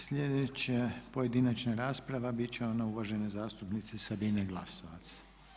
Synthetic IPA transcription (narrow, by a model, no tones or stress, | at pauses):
sʎʲed̪et͡ɕapoje̞d̪inat͡ʃnaɾaːspɾaʋabit͡ɕeonauʋaʒe̞nezaːst̪upnit̪sesabineɡlˠasoʋat̪sḁ